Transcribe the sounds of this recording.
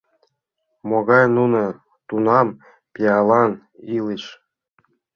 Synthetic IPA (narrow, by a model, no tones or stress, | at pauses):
moɣɑjnunɤ̆ | t̪unɑm | pʲiɑlˠɑn | iliʃ